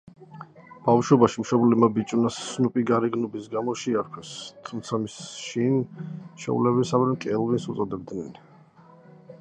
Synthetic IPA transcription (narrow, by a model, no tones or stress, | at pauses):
b̥afʃɔbaʃimʃɔblɛmabit͡ʃʼunasnupʼiɡaɾiɡnɔbisɡamɔʃiaɾkʰwɛst̪ʰumt̪sʰamisʃinʃɛ̰ulɛβisavɾɛmkʼɛlˠvinsut̪sʼɔd̪ɛb̚d̪nɛn